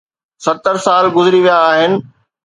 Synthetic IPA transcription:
sɐt̪əɾsaːlɡʊzɪɾiʋijaːɦɪnɪ̆

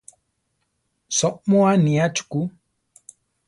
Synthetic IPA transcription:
sɔʔmɔaniat͡ʃu̥ku

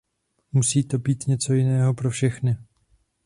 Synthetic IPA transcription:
musiːt̪o̞biːt̪ɲɛt͡so̞jɪnɛːɦo̞pɾo̞fʃɛxnɪ

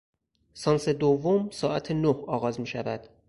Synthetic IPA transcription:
sɒːnsed̪ovːomsɒːʔæt̪ʰenohɒːɣɒːzmiːʃævæd̪̥

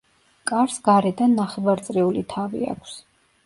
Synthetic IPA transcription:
kʼaɾsɡaɾɛd̪anːaχɛvaɾt̪sʼɾɛulit̪ʰavḭa̰kʷʰs

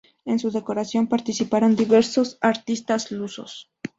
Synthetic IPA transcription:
e̞nsuðe̞ko̞ɾasjo̞mpaɾt̪isipaɾo̞nd̪iβe̞ɾso̞saɾt̪ist̪azluso̞̰s

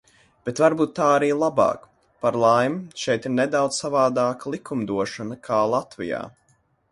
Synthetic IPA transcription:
b̥et̪vaɾbuːt̪ːaːaɾiːlˠabɑ̰ːk | paɾlˠajmʃɛjt̪iɾnɛd̪awd̪zsavaːd̪aːklˠikʰumd̪uɔʃanakʰaːlˠat̪vḭja̰ː

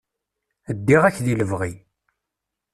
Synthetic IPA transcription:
əd̪ːiʁæçðiləvʁi

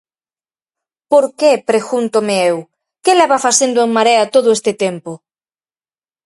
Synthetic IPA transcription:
poɾkepɾeɣunt̪omeew | kelɛβafasend̪ʊeŋmaɾeat̪oðoest̪ɪt̪empo

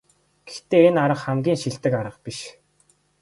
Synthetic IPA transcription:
ɡ̥e̥xt̪eːenaɾə̆χχæmɡʲiːŋʃiɬt̪ɘ̆kaɾə̆qpiʃ

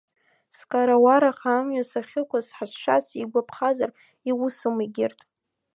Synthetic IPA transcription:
skʼaɾawaɾaχaːmɥasaχʲɪkʷʰasħasʂasiɡʷapʰχazar | iwʊsɨmiɡʲɪrtʼ

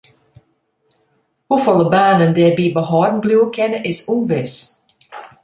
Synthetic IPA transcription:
hufɔləbaːnəndɛbiːbəɦɑːdn̩bluwkʰɛnəʔɪsunvɪs

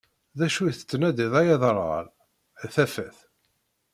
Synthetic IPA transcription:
ðæʃujθə̥t͡sːnæd̪iðˤæjɑðˤɾˤɑ̰ɾˤ | θæfæθ

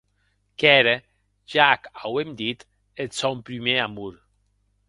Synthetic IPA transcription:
kɛɾe | d͡ʒakawemd̪it̪ | et̪sɔmpɾymeamuɾ

